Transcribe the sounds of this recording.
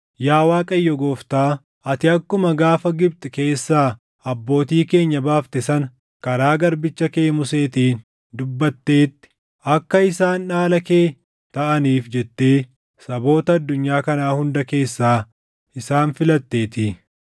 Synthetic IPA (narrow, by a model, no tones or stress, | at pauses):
jaːwaːkʼɐjːɔɡoːft̪aː | ɐt̪ɪɐkːʊmɐɡaːfɐɡɪb̚t̪ɛke̞ːsːaː | ɐbːo̞ːt̪iːke̞ːɲːɐbaːft̪ɛsɐn | kɐɾaːɡɐɾbɪt͡ʃːɐkeːmʊse̞ːt̪iːn | d̪ʊbːɐt̪ːe̞ːt̪ːɪ̥ | ɐkːɐɪsaːnːaːlɐkeː | t̪ɐʔɐniːfd͡ʒɛt̪ːe̞ː | sɐbo̞ːt̪ɐɐd̪ːʊɲːaːkɐnaːhʊnd̪ɐke̞ːsːaː | ɪsaːnfɪlɐt̪ːe̞ːt̪i